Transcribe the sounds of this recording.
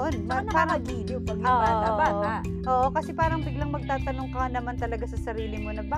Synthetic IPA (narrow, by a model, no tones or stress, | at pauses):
onɐnɐaɾɐɡid̪jopɐaababaa | ʔoːʔo̞kɐsɛpaːɾɐŋbɪɡlɐŋmɐɡ̚t̪aːt̪ɐnoŋkɐnɐmant̪ɐlɐɡasɐsɐɾiːlɪmonɐba